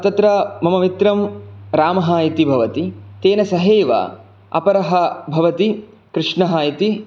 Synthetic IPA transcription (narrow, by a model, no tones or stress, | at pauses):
t̪ɐt̪ɾɐmɐmɐmit̪ɾɐmɾaːmɐɦɐjit̪ibʱɐʋɐt̪it̪eːnɐsɐɦeːʋɐ̰ | ɐ̰pɐɾɐɦɐbʱɐʋɐt̪i | kɾɪʂɳɐɦɐit̪i